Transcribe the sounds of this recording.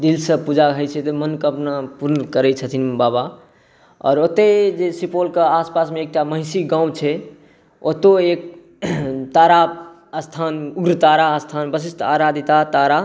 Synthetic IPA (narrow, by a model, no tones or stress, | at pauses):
d̪ilsəpud͡ʒaɦəjt͡ʃʰɛt̪emənkəpnapuɾnəkəɾɛt͡ʃʰət̪ʰinbaba | ɔ̰ːɾot̪ed͡ʒesipolkeaspasmeːk̚ʈamə̃ɦɪsiɡãw̃t͡ʃʰɛ | ot̪oek̚ | t̪aɾa | əst̪ʰanuɡɾət̪aɾaəst̪ʰanbəs̬ist̪ʰaɾad̪ʱit̪at̪aɾa